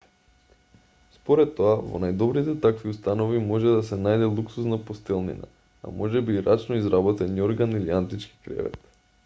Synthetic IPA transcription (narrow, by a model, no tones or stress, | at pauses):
spoɾɛt̪ːoavɔ̰najd̪ɔbɾit̪ɛt̪akviust̪anovimɔʒɛd̪asɛnajd̪ɛlˠuksusnapost̪ɛlˠnḭna̰ | a̰mɔʒɛbiɾat͡ʃnoizɾabɔt̪ɛnioɾɡaniliant̪it͡ʃki̥kɾɛ̰vɛ̰t̪